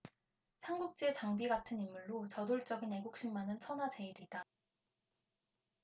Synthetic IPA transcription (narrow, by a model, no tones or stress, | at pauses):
sʰanɡuk̚t͡ɕ͈et͡ɕaŋbiɡatʰɯnimːuɭːot͡ɕʌdoɭt͡ɕ͈ʌɡine̞ɡuk̚ɕ͈imːanɯnt͡ɕʰʌnad͡ʑe̞iɾida